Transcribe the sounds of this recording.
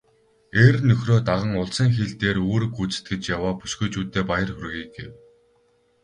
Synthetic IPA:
ernːɵxroːt̪aʁə̆ŋʊɮsə̆ŋxeɮt̪eːɾoːɾɘ̆kut͡sɘ̥̆t̪̚ɡet͡ɕjawaːpu̥ʃɡŭjt͡ɕuːt̪ːeːpajə̆rxɵrɣiːɡɡḛw

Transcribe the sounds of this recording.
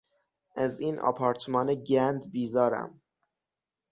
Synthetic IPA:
ʔæziːnʔɒ̰ːpʰɒːɾt̪ʰmɒːneɟænd̪biːzɒːɾæ̰m

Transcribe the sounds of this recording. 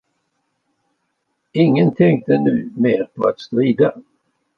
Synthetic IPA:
ɪŋːənt̪ʰɛŋk̚t̪ənʉ̟ːmeːɾpʰɔat̪st̪ɾːiːd̪a

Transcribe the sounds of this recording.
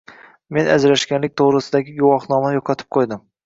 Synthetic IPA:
me̞nʔa̰d͡ʒɾaʃkʲanlɪk̚ʲt̪ʰoʁɾɪsɪd̪aɡʲɪɡʊwɒχnɒmajoqʰɑt̪ʰɪ̥p̚qʰojd̪ɪm

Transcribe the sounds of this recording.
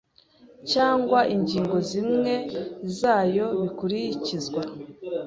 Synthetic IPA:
caːŋɡwaʔiɲɟiːŋɡo̞zimŋe̞zaːjo̞βikuɾicizɡwa

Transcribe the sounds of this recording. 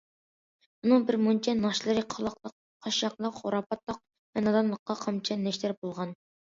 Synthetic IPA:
unɨŋbɪɾmont͡ʃʰɛnɑʃlˠɨɾɨqʰɑlˠɑqlˠəq̚ | qʰːɑʃjɑqlˠəqχoɾɑpʰɑt̪lˠɑq̚ | mɛnɑd̪ɑmlˠəqːɑqʰɑmt͡ʃʰɛnːɛʃt̪æɾbolˠʁɑn

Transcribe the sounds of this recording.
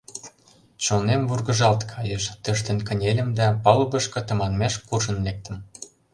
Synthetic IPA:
t͡ɕonemvurɣə̆ʒɑlt̪kʰɑjeʃt̪ə̆ʃ̬t̪ə̆nkə̆nʲelʲə̆md̪æpɑlɤβɤ̆ʃkɤ̆t̪ə̆mɑnmeʃkurʒə̆nlek̚t̪ə̆m

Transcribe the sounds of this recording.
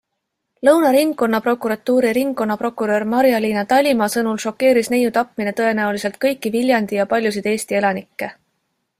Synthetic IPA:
lɤwnɑɾiŋɡːo̞nːɑpro̞kuɾɑt̪ːˑuːɾiɾiŋɡkːo̞nːɑpro̞kːˑuɾø̞ːɾmɑɾjɑlʲiːnɑt̪ɑlʲimɑːsɤnulʃo̞kːe̞ːɾisnejut̪ɑpmine̞t̪ɤ̞e̞næulise̞lt̪̚kɤjkːˑivilʲjɑnd̪ijɑpɑlʲjusid̪e̞ːst̪ie̞lɑnikːe̞

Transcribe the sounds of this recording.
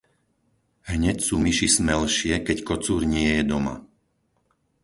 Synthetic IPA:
ɦɲɛcsuːmiʃismɛlʃɪɛkɛckɔt͡suːɾɲɪɛjɛd̪ɔma̰

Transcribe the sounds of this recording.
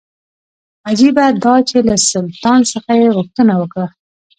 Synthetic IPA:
ad͡ʒibad̪ɑt͡ʃelasʊlt̪ɑnsəxajeɣʊxt̪ənawəkɽa

